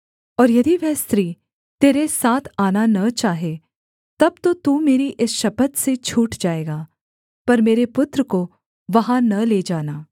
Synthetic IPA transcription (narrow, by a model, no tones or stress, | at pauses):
ɔːɾjɐd̪iʋɛɦst̪ɾiː | t̪eːɾesaːt̪ʰaːnanɐt͡ʃaːɦe | t̪ɐb̚t̪ot̪uːmeːɾiʔɪsʃɐpət̪set͡ʃʰuːʈd͡ʒaːeːɡaː | pɐɾmeːɾepʊt̪ɾəko | ʋɐɦãnɐleːd͡ʒaːnaː